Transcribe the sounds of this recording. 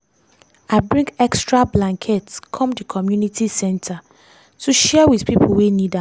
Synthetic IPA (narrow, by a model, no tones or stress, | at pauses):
aɪbɹĩŋɡɛkstɹablãŋkʰɛtskʰɔ̃mdikʰɔmjunitʰisɛ̃ntʰa | tʰuʃɛwiðpipʰuwenida